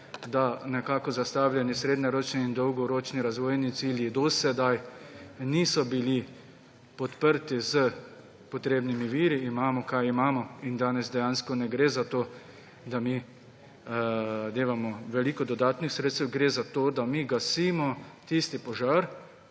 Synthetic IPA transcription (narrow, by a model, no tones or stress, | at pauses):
d̪anɛkaːkɔzast̪aːwlʲjʲɛnisɾeːd̪nɔɾoːt͡ʃniːnd̪ɔwɡɔɾoːt͡ʃniɾazʋoːjnit̪siljid̪ɔsɛd̪ajniːsɔbili | pɔt̪pəɾt̪izə | pɔt̪ɾeːbnimiʋiːɾiːmaːmɔkajimaːmɔind̪aːnɛzd̪ɛjaːnskɔnɛɡɾeːzat̪oː | d̪ami | d̪eːʋamɔʋɛliːkɔd̪ɔd̪aːt̪nixsɾeːt̪st̪ɛwɡɾeːzat̪oːd̪amiɡasiːmɔt̪ist̪ipɔʒaɾ